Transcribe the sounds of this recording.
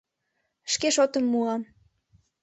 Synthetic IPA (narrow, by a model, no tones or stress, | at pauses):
ʃkeʃot̪əmːuɑm